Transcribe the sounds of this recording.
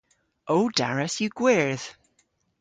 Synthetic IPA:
ʔoʊd̥aɹəsjəɡ̥wɛɹð̥

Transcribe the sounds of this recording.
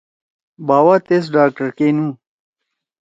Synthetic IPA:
baːwaːt̪es̬ɖaːk̚ʈɐɾkenũː

